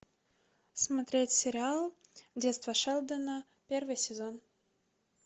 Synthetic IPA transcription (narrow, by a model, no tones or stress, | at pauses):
smɐt̪ɾʲetʲsʲɪɾʲɪalˠdʲet̪st̪vəʂɛlˠd̪ənə | pʲervɨjsʲɪzon